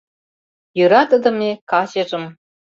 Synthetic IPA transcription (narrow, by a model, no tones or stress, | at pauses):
jyɾɑt̪ə̆d̪ɤ̆mekɑɕeʒɤ̆m